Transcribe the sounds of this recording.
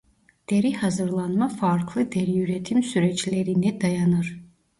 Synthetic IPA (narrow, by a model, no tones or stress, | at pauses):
d̪̥eɾihazɯɾlˠanmafaɾkʰlˠɯd̪eɾijyɾɛt̪ʰimsyɾɛt͡ʃlʲeɾinɛd̪ajanɯɾ̥